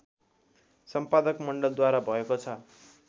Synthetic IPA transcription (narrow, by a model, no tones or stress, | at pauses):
sʌmpad̪ʌkmʌɳɖʌld̪waɾabʱʌekot͡sʰʌ